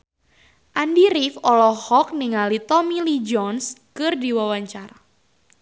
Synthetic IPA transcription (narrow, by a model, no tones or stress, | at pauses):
ʔandiɾifɔlɔhɔk̚niŋalit̪ɔmilid͡ʒɔnskɨrdiwawaɲt͡ʃaɾa